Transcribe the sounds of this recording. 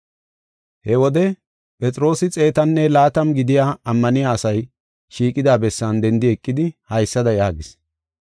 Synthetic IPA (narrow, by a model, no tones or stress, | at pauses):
hɛwɔd̪ɛ | pʼɛt͡sʼɾo̞ːsɪt͡sʼe̞ːt̪ɐnːɛlaːt̪ɐmɡɪd̪ɪjaːɐmːɐnɪjaːsɐj | ʃiːkʼɪd̪aːbɛsːɐnd̪ɛnd̪ɪɛkʼːɪd̪ɪhɐjsːɐd̪ɐjaːɡɪs